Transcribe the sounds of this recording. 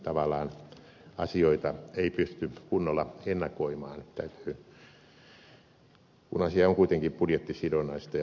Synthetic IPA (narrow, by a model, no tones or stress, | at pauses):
t̪ɑʋɑlˑɑːn | ɑsioit̪ɑeipyst̪ykunːolːˑɑenːɑkoimɑːnt̪æyt̪y̥ː | kṵnɑsiɑoŋkuit̪eŋkippudjet̪ːisidonɑist̪ɑj